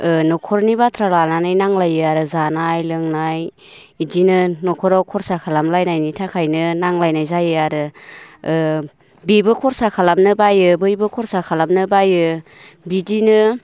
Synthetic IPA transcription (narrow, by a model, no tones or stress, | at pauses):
ɯnɔkʰɔɾnibatʰɾalananɯjnaŋlajɯaɾɯzanajlɯŋnaj | idinɯnɔkʰɔɾawkʰɔɾsakʰalamlajnajnitʰakʰajnɯnaŋlajnajzajɯaɾɯ | bibɯkʰɔɾsakʰalamnɯbajɯbɯjbɯkʰɔɾsakʰalamnɯbajɯ | bidinɯ